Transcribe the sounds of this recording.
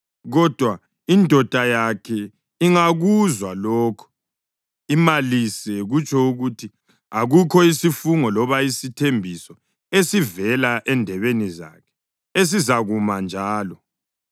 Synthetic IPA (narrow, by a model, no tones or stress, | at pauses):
ɣɔd̥ʱwa | indʱɔd̥ʱajakʰɛ | iŋaɣuzwalɔːkʰɔ̥ | imalisɛɣut͡ʃʼʰɔuɣutʰi | aɣukʰɔisifuŋɔlɔβaisitʰembʱisɔ | esivɛlaʔɛndʱɛβeniza̰kʰɛ̥ | es̬izaɣumand͡ʒʱaːlɔ